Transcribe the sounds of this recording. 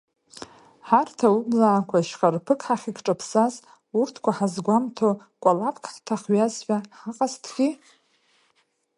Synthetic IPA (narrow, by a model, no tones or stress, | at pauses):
ħartʰaublaːkʷʰaʃχarpʰɨkʰʼħaχʲikʈ͡ʂʼapʰsaz | urtʰkʷʰaħazɡʷamtʰo | kʷʼalapʰkʰħtʰaχɥazħʷᶣaħaqʼastʰɡʲi